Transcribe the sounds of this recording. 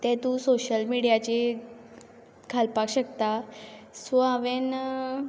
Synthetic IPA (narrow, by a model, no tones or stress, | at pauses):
t̪ɛ̃t̪ũsoɕəlmiɽijat͡ɕe | kʰalpakɕək̚t̪asʋaʋen